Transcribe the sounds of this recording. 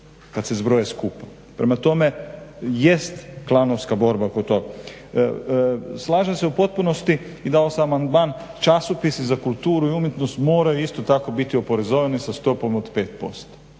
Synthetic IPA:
kat̪sezbɾojeskupa | pɾemat̪o̞me̞je̞st̪klˠanoʋskabo̞ɾbakot̪oɡa | slˠaːʒemseupo̞t̪̚punost̪i | id̪aosaamand̪maːn | t͡ʃasopisizakulˠt̪uːɾuiumjet̪nost̪moːɾajuist̪ot̪akobit̪io̞po̞ɾezoʋenisast̪o̞po̞mod̪pe̞ːt̪̚po̞̰st̪o̥

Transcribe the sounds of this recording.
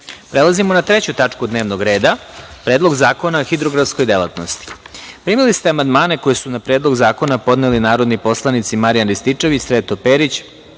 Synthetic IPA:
pɾe̞lˠazimo̞nat̪ɾet͡ɕut̪at͡ʂkud̪ne̞ːʋno̞ɡɾe̞ːd̪apɾeːd̪lˠo̞ɡzaːko̞naoxid̪ɾo̞ɡɾafsko̞jd̪e̞lˠa̰t̪no̞̰st̪i̥ | pɾiːmilist̪eamand̪maːne̞ko̞jesunapɾe̞ːd̪lˠo̞ɡzaːko̞napo̞d̪nelinaːɾo̞d̪nipo̞slˠanit̪simaɾijanɾist̪it͡ʂeʋisʋe̞ːt̪o̞peːɾit͡ɕ

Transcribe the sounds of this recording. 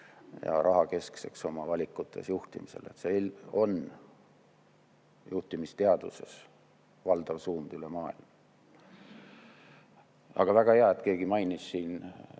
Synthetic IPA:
jɑ̰ɾʔɑɦɑke̞skse̞kso̞mɑvɑlʲikːˑut̪ʰːˑe̞sjuht̪imise̞̰le̞t̪selo̞n | juht̪imist̪eɑd̪̥use̞s | vɑld̪̥ɑvsuːnd̪̥ylemɑːḭlm | ɑ̰ɡ̥ɑvæɡ̥ɑheɑe̞t̪ke̞ːɡ̥imɑjnisːiːn

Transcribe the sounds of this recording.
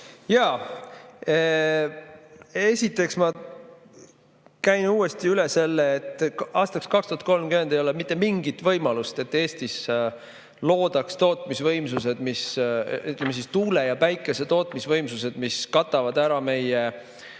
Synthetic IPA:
jɑː | e̞sʲit̪ːˑe̞ksmɑ | kæjnuːe̞st̪iylese̞lːeːt̪ːˑʔɑːst̪ɑkskɑkst̪uhɑt̪̚ko̞lmkymhend̪ejo̞lemit̪ːˑe̞miŋɡit̪vɤjmɑlust̪e̞t̪ːe̞ːst̪is | lo̞ːd̪ɑkst̪o̞ːt̪ˑmisvɤjmsuse̞d̪̥misyt̪lemes̬ist̪uːlejɑpæjkːˑese̞t̪o̞ːt̪ˑmisvɤjmsuse̞d̪̥miskɑt̪ːˑɑvɑd̪æɾɑme̞je

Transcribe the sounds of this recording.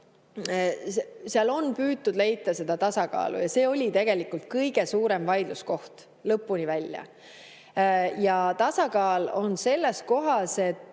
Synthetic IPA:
seseɑlo̞npyːt̪̚ːud̪le̞jt̪ːˑɑse̞d̪̥ɑt̪ɑsɑkɑ̰ːlṵjɑse̞ːo̞lʲit̪e̞ɡ̥e̞likˑult̪̚kɤjɡ̥e̞suːɾe̞mvɑjd̪̥lusko̞ht̪ | lɤpːˑunivælʲjɑ̰ | jɑt̪ɑsɑkɑːlo̞nse̞lːesko̞ɦɑse̞t̪ː

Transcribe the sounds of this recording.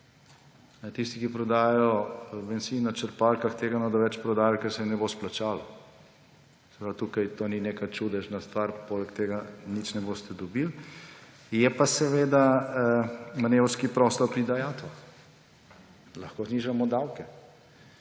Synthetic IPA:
nɛt̪ist̪ikipɾɔd̪aːjajɔbɛnsinat͡ʃɛɾpalkaxt̪eːɡanɔd̪ɔʋɛt͡ʃpɾɔd̪aːjalkɛɾsɛnɛbosplat͡ʃaːlɔ | sɛ̥pɾat̪uːkajt̪oninekat͡ʃud̪ɛʃnast̪ʋaɾpoːlɛkt̪eːɡanit͡ʃnɛbost̪ɛd̪ɔbil | jɛpasɛʋeːd̪a | manewɾskipɾɔst̪ɔɾpɾid̪ajat̪ɔ | lɐxkoːzniʒamɔd̪awkɛ

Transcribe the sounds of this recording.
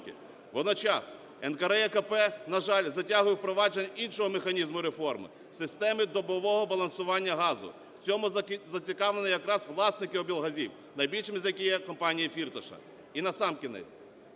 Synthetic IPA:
kɪ̰ | ʋɔd̪nɔt͡ʃɑs | ɛnkɐɾɛɛkɐpɛnɐʒɑlʲzɐtʲaɦʊjɪwpɾɔʋɑd͡ʒenʲɐʔinʃɔɦɔmexɐnʲizmʊɾefɔrmɪ̰ | sɪst̪ɛmɪd̪ɔbɔʋɔɦɔbɐlˠɐnsʊʋɑnʲːɐɦɑzʊ̰ | w̥t͡sʲɔmʊzɐt͡sʲikɑʋlˠenɪjɐkɾɑsʋlˠɑsnɪkɪɔbʲilˠɦɐzʲiw | nɐjbʲilʲʃɪmɪzʲjɐkʲijɛkɔmpɑnʲijifʲirt̪ɔʃɐ̰ | inɐsɑmkʲinɛ̰t͡sʲ

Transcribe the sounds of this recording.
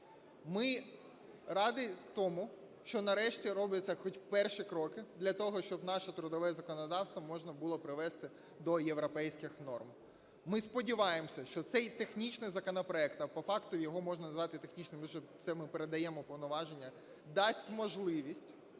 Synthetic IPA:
mɪ | rɑd̪ɪt̪ɔmʊ | ʃt͡ʃɔnɐɾɛʃtʲiɾɔblʲɐt͡sʲːɐxɔtʲpɛrʃikɾɔkɪd̪lʲɐt̪ɔɦɔʃt͡ʃɔbn̪ɑʃɛt̪ɾʊd̪ɔʋɛzɐkɔnɔd̪ɑwst̪ʋɐmɔʒnɐbʊlˠɔpɾɪʋɛst̪ɪ | d̪ɔjeʋɾɔpɛjsʲkɪxnɔrm | mɪspɔdʲɪʋɑjemɔsʲɐʃt͡ʃɔt̪sɛjt̪exnʲit͡ʃnɪjzɐkɔnɐpɾɔɛkt̪ɐpɔfɑkt̪ʊjɔɦɔmɔʒnɐnɐzʋɑt̪ɪt̪exnʲit͡ʃnɪmʒɛt̪sɛmɪpeɾed̪ɐjɛmɔpɔʋnɔʋɑʒenʲːɐ | d̪ɑsʲtʲmɔʒlˠɪʋʲisʲtʲ

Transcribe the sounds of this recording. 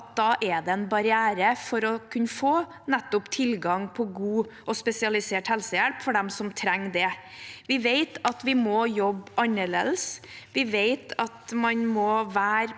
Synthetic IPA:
t̪̚d̪ɑːʔɛd̪ɛɛnbɑɾɪæːɾəfɔɾɔkʰʉnːəfoː | nɛt̪ːʊpt̪ʰɪlɡɑŋpʰɔɡuːʔɔspɛsɪɑlɪseːʈhɛlsəjælpfɔɖɛmsɔmt̪ʰɾɛŋːd̪ɛʋɪʋeɪt̪ɑt̪ʋɪmɔjɔbːɑnəɭḛːd̪əsʋɪʋeɪt̪ɑt̪mɑnmɔʋæːɾ

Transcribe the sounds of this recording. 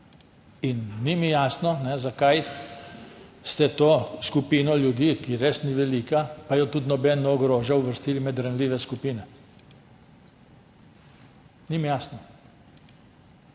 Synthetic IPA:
inːimijaːsnɔnɛzakaj | st̪ɛt̪oːskupiːnɔljud̪iːkiɾeːsniʋɛliːkapajɔt̪ud̪nɔbɛnːɔːɡɾoːʒjauʋəɾst̪iːlimɛd̪ɾanliːʋɛskupiːnɛ | nimijaːsnɔ

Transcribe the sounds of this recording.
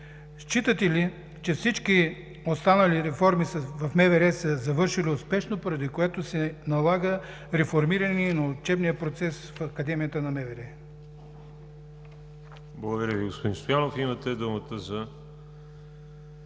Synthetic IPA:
ʃt͡ʃit̪ət̪ɛli | t͡ʃɛfsit͡ʃki | ost̪anɐliɾɛfɔɾmisəvɐfmɛvɛɾɛsəzɐvɤɾʃiliʊspɛʃnopoɾɐd̪ikoɛt̪osɛnɐlˠaɡə | ɾɛfoɾmiɾəninɐot͡ʃɛbnijəpɾot̪sɛsfɐkɐd̪ɛmijət̪ənɐmɛvɛɾɛ | blˠəɡʊd̪ɐɾʲjəviɡospod̪inst̪ojanofimɐt̪ɛd̪umət̪əzɐ

